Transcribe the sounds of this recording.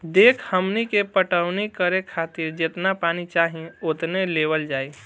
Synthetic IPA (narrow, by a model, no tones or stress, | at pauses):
d̪ekʰhəmnikepəʈəʊnikəɾekʰat̪iɾd͡ʒet̪napanit͡ʃaɦĩot̪nelewəld͡ʒaːi